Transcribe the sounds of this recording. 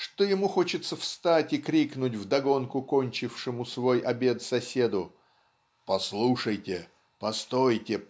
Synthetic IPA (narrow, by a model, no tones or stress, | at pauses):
ʂt̪ojɪmuxo̞t͡ɕɪt̪səfst̪atʲɪkɾʲiknʊtʲvd̪ɐɡo̞nkʊko̞nʲt͡ɕɪfʂɨmʊsvo̞jʔɐbʲe̞t̪sɐsʲe̞d̪ʊ | pɐslˠuʂəjtʲɪ | pɐst̪ojtʲɪ